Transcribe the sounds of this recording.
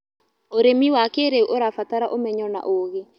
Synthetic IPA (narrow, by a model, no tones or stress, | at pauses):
oɾemiwakeɾeuʔoɾafataɾaʔomɛɲɔna̰ʔoɣe